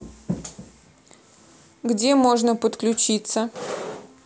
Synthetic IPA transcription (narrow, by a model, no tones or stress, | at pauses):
ɡdʲemo̞ʐnəpət̪klʲʉt͡ɕit̪sə